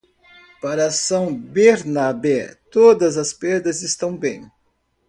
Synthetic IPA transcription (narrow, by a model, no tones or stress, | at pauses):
paɾɐsɐ̃w̃beɾnabɛt̪od̪ɐzɐspeɾd̪ɐzɪst̪ɐ̃w̃bẽj̃